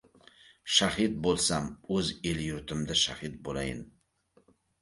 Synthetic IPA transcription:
ʃahɪt̪̚bolˠsamɵzeljʊɾt̪ʰɪmd̪aʃahɪt̪̚bola̰jɪ̰n

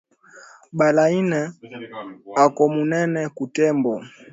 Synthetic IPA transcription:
ɓalainɛ | akɔmunɛnɛkutɛmbɔ

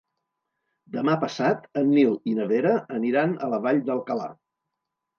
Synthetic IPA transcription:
d̪əmapəsat̪ənːilˠinəβeɾəəniɾanələβaʎd̪əlˠkəla̰

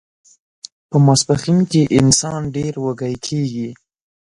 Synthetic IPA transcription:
pəmaspaximkeʔɪnsɑnɖeɾwəɡajkʰeɡi

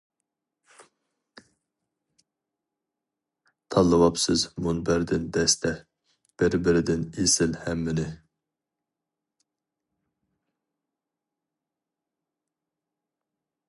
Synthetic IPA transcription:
t̪ʰɑlˠːɨwɑpsɨzmunbæɾd̪ɪnd̪ɛst̪ʰɛ | b̥ɪɾbɪɾɪd̪ɪnesɪlhɛmːɪnɪ

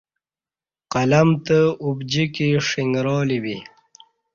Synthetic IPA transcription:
qalamt̪əubd͡ʑikiʂɪŋɡɾoːliwi

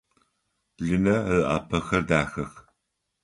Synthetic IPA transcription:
ɮɨnɐʔa̰ːpʰɐxɐrdaːxɐx

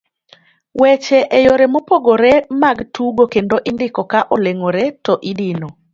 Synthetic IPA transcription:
wɛt͡ʃɛʔɛjoɾɛmopoɡoɾɛmaɡtuɡokendoʔɪndɪkɔkaʔoleŋoɾɛtɔʔidɪno

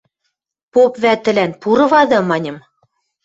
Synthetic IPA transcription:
popβæt̪ɘ̆lænpuɾɤ̆βɑd̪ɤ̆mɑnʲɤ̆m

